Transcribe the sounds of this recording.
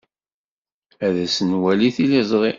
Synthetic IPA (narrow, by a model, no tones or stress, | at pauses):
æðæsənwæliθilizˤʁˤi